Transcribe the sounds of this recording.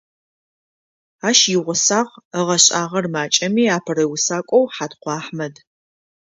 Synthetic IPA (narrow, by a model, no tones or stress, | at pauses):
aːʃjɪʁʷʊsaːʁəʁɐɕʼaːʁɐrmaːt͡ʃʼɐmiːaːpʰɨrɐwʊsaːkʷʼɔwħaːtqʷɑːħmɐd